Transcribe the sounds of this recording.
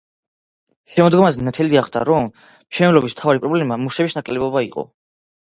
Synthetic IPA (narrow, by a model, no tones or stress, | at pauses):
ʃɛmɔd̪ɡɔmazɛnat̪ʰɛliaχd̪ʰa̰ɾɔm | ʃɛnɛlɔbism̥t̪ʰavaɾipʼɾɔblɛmamuʃɛbisnakʼlɛbɔbaiqʼɔ̰